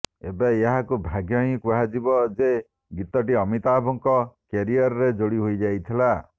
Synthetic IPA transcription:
ebaeɦakubʱaɡʱjɔɦĩkuɦad͡ʒibɔd͡ʒe | ɡit̪ɔʈiɔmit̪abʱɔŋkɔkeɾiɔɾɔɾed͡ʒoɽiɦojd͡ʒajt̪ʰila

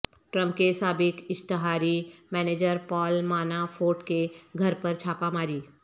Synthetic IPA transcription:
ʈɾə̃mpkesaːbɪkɪʃt̪ɪɦaːɾimɛːneːd͡ʒəɾpɔːlmaːnafʰoːʈkeɡʱɐɾpəɾt͡ʃʰaːpamaːɾiː

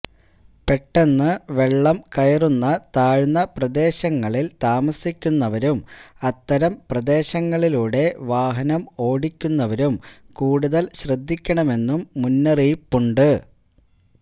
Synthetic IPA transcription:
pe̞ʈːe̞nːɨʋe̞ɭːɐmkɐjɐrunːɐt̪aːɻnːɐprɐd̪e̞ːɕɐŋːɐɭilt̪aːmɐsikʲːunːɐʋɐɾumɐt̪ːɐɾɐmprɐd̪e̞ːɕɐŋːɐɭiluːɽe̞ʋaːɦɐnɐmo̞ːɽikʲːunːɐʋɐɾum | kuːɽuðɐlɕrɐd̪ʱːikʲːɐɳɐme̞nːumːunːɐriːpːuɳɖɨ

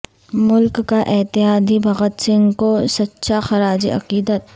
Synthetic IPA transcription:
mʊlkːaʔɪɦt̪ɪɦaːd̪ʱibʱɐɣət̪sɪnkosɐtːʃʰaxɐɾaːd͡ʒḭʔɐ̰qiːd̪ət̪

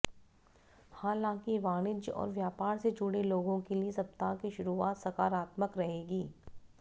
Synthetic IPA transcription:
haːlãːkiʋaːnɪd͡ʒɔ̰ːɾʋjaːpaːɾsed͡ʒʊɽeloːɡõkeliesɐp̚t̪aːkiʃʊɾuaːt̪sɐkaːɾaːt̪məkɾɐɦeːɡiː

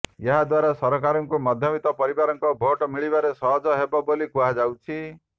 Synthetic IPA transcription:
jeɦad̪waɾasɔɾɔkaɾɔŋkumɔd̪ʱjɔbit̪ɔpɔɾibaɾɔŋkɔbʱoʈɔmiɭibaɾesɔɦɔd͡ʒɔɦebɔbolikuɦad͡ʒawt͡ʃʰi

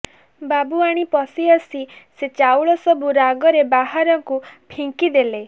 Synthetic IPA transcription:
babuaɽ̃ipɔsiɔsiset͡ʃawɭɔsɔbuɾaɡɔɾebaɦaɾɔŋkupʰiŋkid̪ele

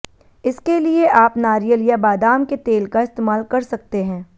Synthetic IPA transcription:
ɪskelieʔaːpnaːɾijəlijabaːd̪aːmket̪eːlkaɪst̪eːmaːlkɐɾsɐk̚t̪eɦɛ̃ː

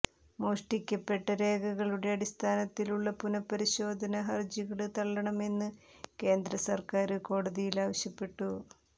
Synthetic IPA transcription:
moːʂʈikʲːɐpːe̞ʈːɐɾe̞ːɡɐɣɐɭuɽe̞ɐɽist̪ʰaːnɐt̪ːiluɭːɐpunɐpːɐɾiɕo̞ːd̪ʱɐnɐɦɐrd͡ʑiɣɐɭɨt̪ɐɭːɐɳɐme̞nːɨ | ke̞ːnd̪ɾɐsɐrkaːɾɨko̞ːɽɐðijilaːʋɐɕjɐpːe̞ʈːu

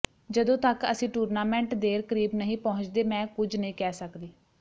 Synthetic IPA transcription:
d͡ʒəd̪õːt̪əkəsĩːʈuːɾnaːmɛ̃ːɳʈd̪eːɾkəɾiːbnəɦĩːpɔːʊ̃ɲt͡ʃd̪eːmɛ̃ːkʊd͡ʒnəĩːkɛːsəkd̪iː

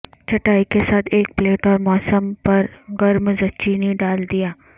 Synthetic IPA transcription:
t͡ʃɐʈaːikesaːt̪ʰeːk̚pleːʈɔːɾmɔːsəmpɐɾɡɐɾmzɐt͡ʃinĩɖaːld̪ijaː

